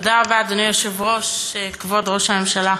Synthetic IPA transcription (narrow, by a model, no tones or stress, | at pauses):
d̪aʁbaːd̪onijoʃevʁo̞ʃekvo̞d̪ʁo̞ʃhame̞mʃala